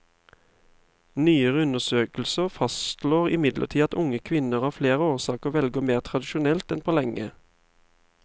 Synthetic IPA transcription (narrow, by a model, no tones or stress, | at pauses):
nyːəʁəʉnəsøːkl̩səʁfɑst̪loːʁɪmɪd̪lʔə̰tʰiːɑt̪ʊŋəkʰʋɪnəʁhɑːfleːʁəoːsɑːkəʁʋɛlɡəmeːʁt̪ʰʁɑd̪ɪʃʊnɛlt̪ɛnpʰoːlɛŋə